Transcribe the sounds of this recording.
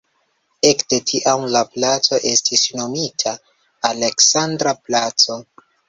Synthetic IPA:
e̞kde̞tʰiʔamlaplat͡so̞ʔe̞stisno̞mitʰaː | le̞ksandɾaplat͡so̞

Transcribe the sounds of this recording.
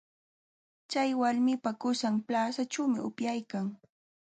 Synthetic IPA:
t͡ʃajwaɾmɪpakʊsamplaːsaʈ͡ʂawmɪʊpjajkaŋ

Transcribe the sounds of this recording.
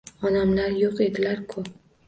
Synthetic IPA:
ɒnamlaɾjoqe̞d̪ɪlaɾkʰʊp̚

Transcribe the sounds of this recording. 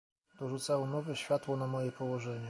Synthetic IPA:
d̪̥ɔʐut̪sawɛnɔvɛɕfʲjat̪wɔnamɔjɛpɔwɔʐɛɲɛ

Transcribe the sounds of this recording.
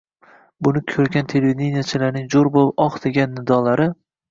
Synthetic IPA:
bʊnɪkʲʰɵɾɡʲant̪ʰe̞levid̪ʲenijat͡ʃʰɪlaɾnɪŋzoɾboɒχd̪eɡʲanːɪd̪ɒlaɾɪ

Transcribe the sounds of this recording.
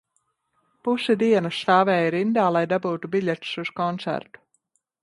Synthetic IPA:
pusɛd̪iɛnɐsaːvɛːiɾind̪aːlˠajd̪abuːt̪ubiʎʲɛt̪suz̥kɔnt̪sæ̰ɾt̪u̥

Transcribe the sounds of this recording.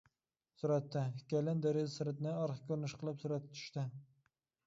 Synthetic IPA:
sʊɾat̪ːɪhɪkʲajlɪnd̪eɾezsɪɾɪt̪nɪɑɾχkʲʰɵɾnɪʃqʰɨlˠɪpsʊɾat̪t͡ʃ̪ʰʊ̥ʃt̪ɪ

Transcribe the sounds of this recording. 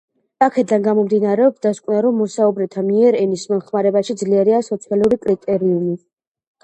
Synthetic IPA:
akʰɛd̪anɡamɔmd̪inaɾɛɔpsd̪askʼwnaɾɔmːɔsaubɾɛt̪ʰamiɛɾɛnismɔnχmaɾɛbaʃid̪zliɛɾiasɔt̪sʰialˠuɾikʼɾit̪ʼɛɾiumi

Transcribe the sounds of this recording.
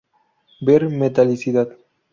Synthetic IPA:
beɾmet̪alisit̪at̪

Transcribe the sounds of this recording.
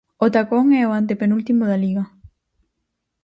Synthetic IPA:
ot̪akoŋɛoant̪epenult̪imoðaliɣa

